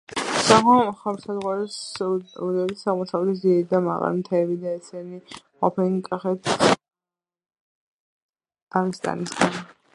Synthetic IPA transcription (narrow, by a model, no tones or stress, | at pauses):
saaχɛmsazʁwaɾɛsud̪ɛisaʁmusavɛt̪ʰis̬d̪iɛɾid̪ama̰ʁa̰ɾmt̪ʰɛːbid̪aɛsɛni | qʼɔ̰pʰɛkʼaχɛt̪ʰ | aʁist̪ʼa̰nisɡan